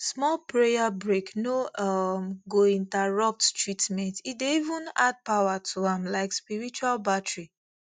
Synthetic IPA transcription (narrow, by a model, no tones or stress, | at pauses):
smɔlpɹejabɹeknoʌmɡoĩntaɹʌp̚ttɹitmɛ̃ntitdeivũnad̚pawatʰuãmlaɪkspiɹit͡ʃualbatɹi